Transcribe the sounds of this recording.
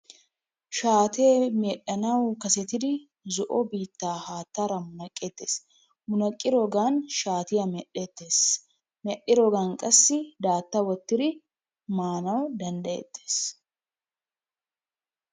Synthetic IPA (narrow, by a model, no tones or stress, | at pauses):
ʃaːt̪eːmeːɗːɐnɐwkɐsɛt̪ɪd̪ɪ | zɔʔɔbiːt̪ːaːhaːt̪ːaɾɐmʊnɐkʼːeːt̪ːḛːs | mʊnɐkʼːɪɾɔɡaːnʃaːt̪ɪjɐmɛɗːet̪ːe̞ːs | mɛɗːɪɾɔɡankʼɐsːɪd̪aːt̪ːɐwɔt̪ːɪd̪ɪ | maːnɐwd̪ɐnd̪ɐḛt̪ːeːs